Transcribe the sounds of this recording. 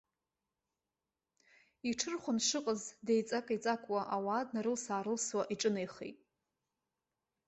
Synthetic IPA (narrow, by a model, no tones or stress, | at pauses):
iʈ͡ʂʰɨrχʷʊnʂɨqʼəzdejt͡sʼakʼait͡sʼakʷʼwaʔawaːdnaɾɨlsaːɾɨlswaʔiʈ͡ʂʼɨnejχḛjtʼ